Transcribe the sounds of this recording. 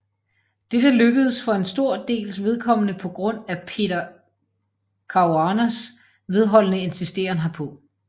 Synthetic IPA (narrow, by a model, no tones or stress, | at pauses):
d̥ed̥əløɡ̥əð̩ˠsfɒ̽e̝nsd̥o̝ɐ̰d̥e̝̰ːlsʋe̝ð̞ˠkʰɒ̽m̰nəpʰɒ̽ɡ̥ʁɔ̽n̰æpʰe̝̰ɾɐ | kʰɑ̈ʊɑnæs | ʋe̝ð̞ˠɦɒ̽l̰nəe̝nsisd̥e̝̰ːɐnɦɑ̈pʰɒ̽